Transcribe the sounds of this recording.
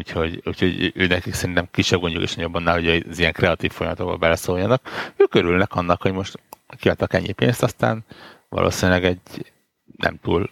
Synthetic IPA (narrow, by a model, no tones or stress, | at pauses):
uːcho̞ɟṵːcʰho̞ɟʔøːnɛkiksɛɾint̪ɛmkiʃːɛb̚ɡo̞ɲɟulkḛːʃnɒjo̞bːɒnːaːlɦo̞ɟøzijɛŋkrɛɒt̪iːffo̞jɒmɒt̪o̞k̚bɒ̰bɛlɛsoːjːɒnɒkøːkøɾylnɛkɒnːɒkho̞ɟmo̞ʃt̪kiɒt̪ːɒkɛ̰ɲːipeːnst̪ɒst̪a̰ːnvɒ̰lʔo̰ːsinilɛɡɛɟ | nʔɛ̰mt̪uːl